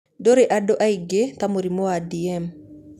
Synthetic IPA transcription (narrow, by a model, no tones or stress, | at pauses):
doɾeʔadoʔaiɡet̪amoɾimoadiɛm